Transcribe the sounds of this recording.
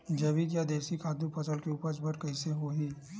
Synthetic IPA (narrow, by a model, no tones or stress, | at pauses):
d͡ʒɐʋik̬jad̪eːsikaːd̪upəsəlkeuːpəsbəɾkɐiseɦoːɦiː